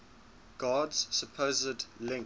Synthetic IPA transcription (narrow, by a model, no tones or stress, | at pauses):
ɡ̥ɑːdz̥səpʰoːzədlɪ̃ŋ